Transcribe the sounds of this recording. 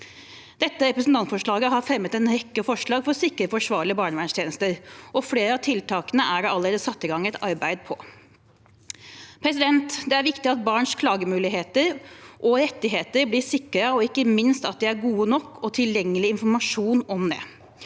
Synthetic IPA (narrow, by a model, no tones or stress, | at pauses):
d̪̥ɛt̪ːəɾɛpɾəsn̩t̪ɑnt̪fɔʂɭɑːɡəɦɑɾfɾɛmːət̪ɛnɾɛkːəfɔʂɭɑːɡfɔɾsɪkːəɾəfɔʂʋɑːɭɪəbɑːɳəʋæɳʂt̪jeːnəst̪əɾʔɔfleːɾəɑt̪ʰɪlt̪ʰɑːkənəæɾɑlːəɾeːd̪əsɑt̪ːəɡɑŋɛt̪ɑɾbæɪd̪̚pʰɔ | pʰɾɛsɪd̪ɛnt̪d̪ɛæɾʋɪkt̪ɪɑt̪̚bɑːɳʂkʰlɑːɡəmʉːlɪɦeːt̪əɾʔɔɾɛt̪ːɪɦeːt̪əɾblɪsɪkːəɾəɔɪkːəmɪnst̪ɑt̪̚d̪ɪæɾɡuːənɔkːɔt̪ʰɪljɛŋːəlɪɪnfɔɾmɑʂuːnɔmd̪ɛ̰